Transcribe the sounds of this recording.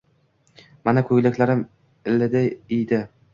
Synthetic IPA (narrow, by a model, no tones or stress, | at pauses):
manakʰɵjlɪkʲlaɾɪm | ɪlːɪd̪ajejd̪ɪ